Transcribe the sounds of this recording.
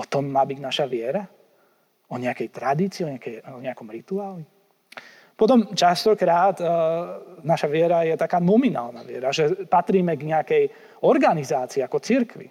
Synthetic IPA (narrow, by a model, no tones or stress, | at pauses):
ɔt̪ɔmːaːbiɟnaʃaʋɪɛɾa | ɔɲɛakɛjt̪ɾad̪iːt͡siːɔɲɛakɛjɔɲɛakɔmɾit̪uaːli | pɔt̪ɔmt͡ʃast̪ɔkɾaːd̪ | naʃaʋɪɛɾajɛt̪akaːnɔmina̰ːlna̰ʋɪɛ̰ɾaʒɛpat̪ɾiːmɛɡɲɛakɛj | ɔɾɡanizaːt͡siːakɔt͡siɾkʋḭ